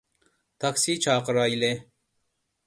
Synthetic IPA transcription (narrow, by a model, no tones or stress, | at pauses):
t̪ɐksiːt͡ɕʰaːqɾɑːile